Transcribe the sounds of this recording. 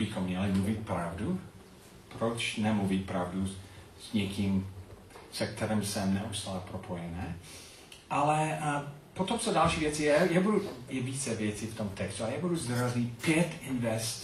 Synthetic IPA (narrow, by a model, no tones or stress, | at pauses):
bɪxomːɲɛlɪmluvɪt̪̚pɾavdu | pɾot͡ʃnɛmluvɪt̪̚pɾavdu | z̥ɲɛkʰim | sɛk̚t̪ʰɛɾɛmsɛmnɛʔust̪aːlɛpɾopʰojɛnɛː | ʔalɛ | pot̪omt͡sodalʃiːvjɛt͡sijɛjɛbudujɛviːt͡sɛvjɛt͡sift̪omt̪ɛkst̪uajɛbuduzd̪razɲipjɛt̪ɪnvɛst̪